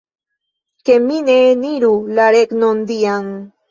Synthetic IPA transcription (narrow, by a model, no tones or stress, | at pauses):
kemineniɾulaɾeknond̪iaŋ